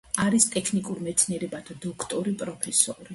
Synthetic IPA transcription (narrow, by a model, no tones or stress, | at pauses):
aɾist̪ʼɛkʰnikʼuɾmɛt̪sʰniɛɾɛbad̪ad̪ɔkʰt̪ʼɔɾipʼɾɔpʰɛsɔɾi